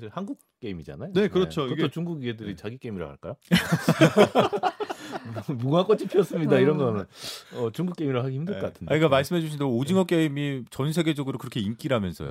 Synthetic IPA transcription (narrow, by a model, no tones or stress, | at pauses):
ɕʰiɭhanɡuk̚k͈eimid͡ʑa̰najonekɯɾʌt͡ɕʰokɡʰot͡ɕuŋɡuɡiedɯɾit͡ɕaɡik͈e̞imiɾa̰ha̰ɭk͈a̰jo | muɡak͈ʌt͡ɕ͈ʰipʰiʌs͈ɯmɲidaiɾʌnɡʌanjʌnʌt͡ɕuŋɡuk͈e̞imiɾaɦaɡihçimdɯɭ͈k͈atʰɯnaɲik͈amaɭs͈ɯmɦe̞d͡ʑuɕ̬ʰindeod͡ʑiŋʌk͈eimit͡ɕʌnsʰe̞ɡed͡ʑʌɡɯɾokɯɾʌkʰe̞ink͈iɾɦamjʌnsʰʌ̰jo̰